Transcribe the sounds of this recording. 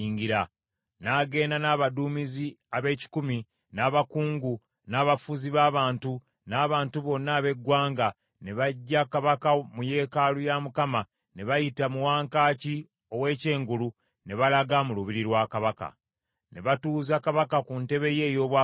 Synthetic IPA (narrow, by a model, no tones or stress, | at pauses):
iːŋɡiɾa | naːɡe̞ːndanaːβaduːmiziaβe̞ːci̥kumi | naːβakuːŋɡu | naːβafuziβaːβaːntu | naːβaːntuβo̞nːaːβe̞ɡwaːŋɡa | ne̞βaɟːakaβakamuje̞ːkalujamukama | ne̞βajitamuwaːŋkaːci | o̞we̞ːce̞ːŋɡulu | ne̞βalaɡamuluβiɾiɾwaːkaβaka̰ | ne̞βatuːzakaβakakunte̞βe̞je̞ːjo̞ːβwa